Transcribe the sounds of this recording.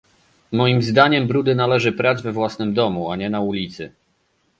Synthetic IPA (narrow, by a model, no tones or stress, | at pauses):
mɔjimzd̪aɲɛmbɾud̪ɘnalɛʐɘpɾad̪zvɛvwasnɘmd̪ɔmuaɲɛnaulʲit̪sɘ